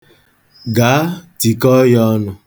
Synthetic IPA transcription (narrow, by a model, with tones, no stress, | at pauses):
ɡa˨a˦ti˨kɔ˦jɔ˦nʊ˦